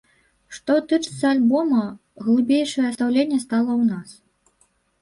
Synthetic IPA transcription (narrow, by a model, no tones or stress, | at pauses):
ʂt̪ɔt̪ɨt͡ʂɨ̥t̪sːɐalʲbɔmɐ | ɣlˠɨbʲejʂɐjɛɐst̪awlʲenʲːɛst̪alˠɐwnas